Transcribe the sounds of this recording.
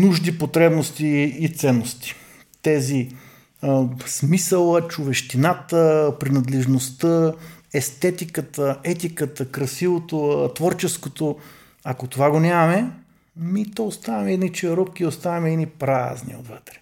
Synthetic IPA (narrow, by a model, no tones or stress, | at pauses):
nuʒd̪ipot̪ɾɛbnost̪iːt̪sɛnːost̪i̥ | t̪ɛzi | smisəlˠət͡ʃʊvɛʃt̪inat̪əpɾinɐd̪lɛʒnost̪əɛst̪ɛt̪ikət̪əɛt̪ikət̪əkɾɐsivot̪ot̪vɔɾt͡ʃɛskot̪o | akot̪ovaɡonʲamɐmɛ | mit̪ɔost̪avɐmɛd̪init͡ʃɛɾɔp̚kʲiost̪avɐmɛd̪inipɾa̰znḭo̰d̪vət̪ɾɛ̥